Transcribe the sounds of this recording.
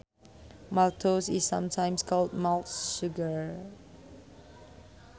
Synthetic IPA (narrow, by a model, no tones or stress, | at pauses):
maltʰosisːãmtʰãj̃mskʰɔld̚maltʃuɡəɹ